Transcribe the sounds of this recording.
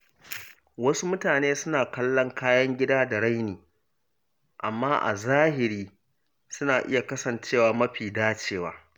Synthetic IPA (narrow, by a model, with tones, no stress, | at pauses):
wɐ˦su˦mʊ˦taː˨neː˦sʊ˦naː˨kɐ˦lːɐ˦ŋkaː˦jɐ˦ŋɡʲɪ˦daː˦da˨ɽa˦jniː˨ | ʔa˨mːaː˦ʔa̰˨zaː˦hɪ˨ɾiː˦ | sʊ˦naː˨ʔɪ̰˦ja˨kɐ˦sɐ˨nt͡ʃeː˦˨waː˨mɐ˦ɸiː˨daː˦t͡ʃeː˦˨waː˦